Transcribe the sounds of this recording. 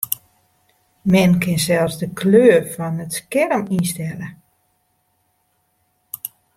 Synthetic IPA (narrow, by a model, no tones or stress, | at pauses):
mɛnkʰɪnsɛlˠsdəkʰløːərfɔnətskɛrəminstɛlə